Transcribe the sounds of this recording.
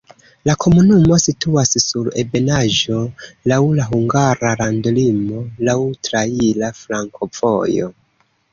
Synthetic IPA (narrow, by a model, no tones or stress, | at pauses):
lakʰo̞munumo̞situassuɾe̞be̞naʒo̞lawlaɦuŋɡaɾaɾandlimo̞lawtɾailafɾaŋkʰo̞v̥o̞̰jo̞̰